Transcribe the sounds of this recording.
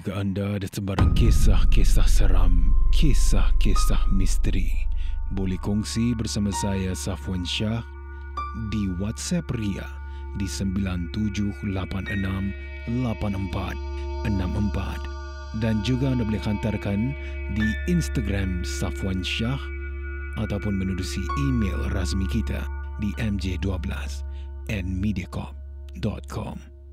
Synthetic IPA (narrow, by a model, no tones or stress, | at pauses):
d͡ʒuɡaandaːdasəbaɾaŋkesahkesahsəɾa̰mkʰesahkesahmist̪əɾibolɛhkɔŋsibərsamãsajasafuanʃah | diwat̪sɛpria̰ | disəmbilant̪ud͡ʒʊhlapanənãm | lapanəmpa̰t̪̚ | ənamʔəmpa̰t̪̚ | dand͡ʒuɡaandabolɛhant̪arkan | diinst̪aɡɾamsafuanʃah | ʔat̪awpʊnmənudusiimḛlrasmikit̪a̰diʔɛmd͡ʒeduabəla̰s | ɛnmidiakɔ̰p̚ | dɔ̰t̪̚kʰɔ̰m